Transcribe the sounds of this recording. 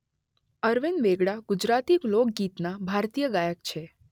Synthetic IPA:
əɾʋenʋeɡɽaɡ̥ʊd͡ʒɾat̪iklok̚ɡit̪nabʱaɾt̪ijəɡajək̚t͡ʃʰe

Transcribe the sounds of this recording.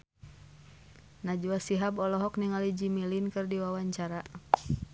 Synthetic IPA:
nad͡ʒuasiɦabɔlɔɦɔkniŋalid͡ʒimilinkɨrdiwawaɲt͡ʃaɾa

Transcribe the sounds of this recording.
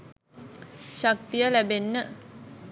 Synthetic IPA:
ʃak̚t̪ijəlæbenːə

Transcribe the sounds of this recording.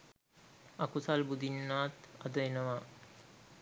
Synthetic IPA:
akusalbud̪inːaːt̪ad̪əenəʋa

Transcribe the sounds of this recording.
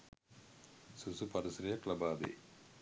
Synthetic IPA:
susupɐɾisɾijɐklɐbaːd̪ḛː

